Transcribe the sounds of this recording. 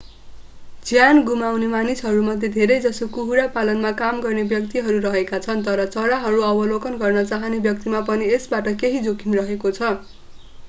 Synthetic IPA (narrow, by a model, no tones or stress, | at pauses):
d͡zjanɡumawnemanisɦʌɾumʌd̪ʱːed̪ʱeɾʌjd͡zʌsokuɦuɾapalʌnmakamɡʌrnebjʌk̚t̪iɦʌɾuɾʌɦekat͡sʰʌnt̪ʌɾʌt͡sʌɽaɦʌɾuʌbʌlokʌnɡʌrnʌt͡saɦʌnebjʌk̚t̪imapʌniesbaʈʌkeɦid͡zokʰinrʌɦekot͡sʰʌ